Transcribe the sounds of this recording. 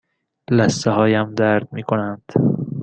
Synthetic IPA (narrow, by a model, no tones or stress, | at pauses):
læst̪eɦɒːjæmd̪æɾd̪̚miːkʰonænd̪̥